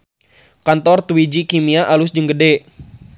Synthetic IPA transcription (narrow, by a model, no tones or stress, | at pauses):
kant̪ɔrt̪wid͡ʒikimiaʔalʊsd͡ʒəŋɡədɛ